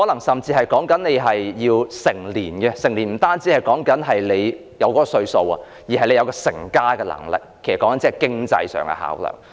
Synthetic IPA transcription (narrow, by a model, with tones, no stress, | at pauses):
hɔː˨˥lɐ˨˩ŋsɐ˨˩mt͡siː˧hɐ˨jkɔː˨˥ŋkɐ˨˥nle˨˧jɦɐ˨jjiː˧wsɪ˨˩ŋliː˨˩nkɛ˧sɪ˨˩ŋliː˨˩nm̩˨˩t̪aː˥nt͡siː˨˥hɐ˨jkɔː˨˥ŋkɐ˨˥nɦɐ˨jle˨˧j | jɐ˨˧wkɔː˧˥kɔ˧sɵ˧ɥso˧wɐ̰˨ | jiː˨˩ɦɐ˨jle˨˧jɐ˧wkɔː˧sɪ˨˩ŋkaː˥kɛ˧lɐ̰˨˩ŋlɪ̰˨k̚ʰe˨˩sɐ˨kːɔː˨˦˥ŋɐ˧˦nt͡siː˧˥ɛ˨˩kɪ˥ŋt͡sɐ̰˧jsœ̰ː˨ŋɛ̰˧ha̰ː˨˥wlœ̰ː˨˩ŋ